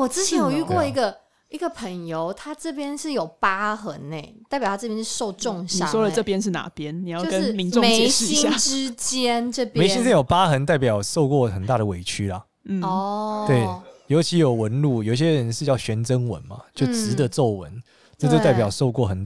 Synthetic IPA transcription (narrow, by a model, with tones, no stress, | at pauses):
wɔ˨˩t͡sɻ̩˥t͡ɕʰjɛ˧˦njo˨˩y˧˥kwɔ˥˩i˧˥ɡə˨ | i˧˥ɡə˧pʰə˧˥˦ŋjo˧˦ʊt̪ʰa˥ʈ͡ʂɤ˥˩pjɛ˥nʂɻ̩˥˩jo˨˩ʊpa˥xə˧˥ŋne˥˨˩ɪt̪a˥˩pjʰʈ͡ʂpjɛ̃˥nʂɻ̩˥˧ʂo˥˧ʊʈ͡ʂʊ˥˨ŋɕnia˥˨˩swɔ˥lə˨ʈ͡ʂɤ˥˨˩pjɛ˦˥nʂ̬ɻ̩˥˩na̰˨˩pjɛ˥nni˨˩jɑ˥˧o˧ʊkə˧˦ʂ̩˥˩mi˧˦no˥˧me˧˥ɪ˥ɕ̩˥˨i˥a˥˧ʈ͡ʂɻ̩˥t͡ɕjɛ˥nʈ͡ʂɤ˥˩pe˨˧ɪɕi˥nʈ͡ʂjo˨˩ʊpa˦˥xə˧˥nt̪a˥˩ɪp̬jɑ˨˩ʊʂo˥˧ʊkwɔ˥˩xə˨˩nt̪a˥˩ɾə˩we˨˩ɪt͡ɕʰy˥lɐ˨ | n̩˥˩ɔ˥˩t̪we˥˩ɪjo˧˥ʊt͡ɕʰi˧˥jo˨˩ʊwə˧˦nlu˥˩jo˨ʊi˨ɕjɛ˥ɻə˧˦nʂɻ̩˥˧t͡ɕjɑ˥˩ʊɕɥɛ˧˥nʈ͡ʂə˦˥nwə̰˧˦nma̰˨t͡ɕjo˥˩ʊʈ͡ʂɻɻ̩˧˥d̪ə˨˦t͡so˥˩ʊwə̰˧˦n | t͡sə˥˧t͡ɕə˥˧t̪a˥˩ɪjɑ˨˩ʊʂo˥˧ʊkwɔ˥˩xə˨˩n